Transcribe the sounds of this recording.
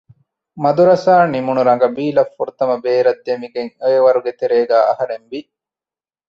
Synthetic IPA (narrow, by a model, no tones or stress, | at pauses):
mɐd̪uɾɐsaːnimunuɾɐŋɡɐbiːlɐfːuɾut̪ɐmɐbeːɾɐd̪ːemiɡeŋojeʋɐɾuɡet̪eɾeːɡæːʔɐɦɐɾemʋi